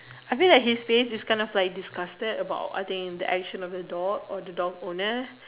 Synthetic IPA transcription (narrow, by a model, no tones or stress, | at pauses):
ajfĩllat̚hisfesiskãɪ̃ndɔflaɪjk̚diskastədəba̰ʊta̰jt̪ĩŋkd̪əʔɛk̚ʃə̃nɔfdədɔɡɔd̪ədɔɡõnə